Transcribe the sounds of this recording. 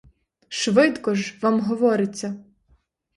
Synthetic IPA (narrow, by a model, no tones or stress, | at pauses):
ʃʋɪt̪kɔʒʋamɦɔʋɔɾɪt͡sʲːɐ